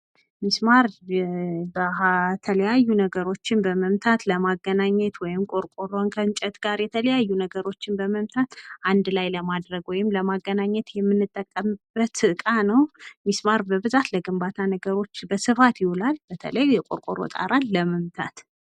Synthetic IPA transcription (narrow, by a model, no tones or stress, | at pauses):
mismaɾ | bəat̪ʰələjajːunəɡəɾo̞t͡ʃːɪnbəməmt̪ʰat̪ləmaɡːənaɲːɛt̪wɔjɪmkʼo̞ɾkʼoɾonkʰənt͡ʃʼɛt̪ɡaɾjɛt̪ʰələjajːunəɡəɾo̞t͡ʃːɪnbəməmt̪ʰat̪ʔand̪lajləmad̪ɾəɡwɔjɪmləmaɡːənaɲːɛt̪jɛmːɨnːɨt̪ʼːəkʼːəmb̥ət̪sɨʔkʼanəwmismaɾbəβɨzat̪ləɡɨmbat̪ʰanəɡəɾo̞t͡ʃːbəsɨfat̪jɪhulalb̥ət̪ʰə̰ləjːɛkʼo̰ɾkʼoɾo̰t̪ʼa̰ɾalːəməmt̪ʰa̰t̪